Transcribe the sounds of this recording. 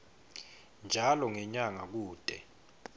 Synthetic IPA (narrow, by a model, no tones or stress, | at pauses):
nd͡ʒʱalɔŋɛɲaŋak̬uːd̥ʱʼɛ